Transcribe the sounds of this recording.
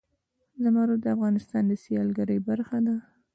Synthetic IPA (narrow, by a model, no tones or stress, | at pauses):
zamɑɾod̪əafɣɑnɪst̪ɑnd̪əsijɑlɡaɾəjbaɾxad̪a